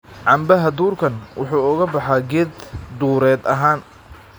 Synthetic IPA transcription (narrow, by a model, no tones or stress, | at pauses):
ʕɑmbɐɦɐd̪uːrkʰɐnwʊħuːʊɣɐbɑħɑɡɛːd̪d̪uːɾɛːd̪ɐɦaːn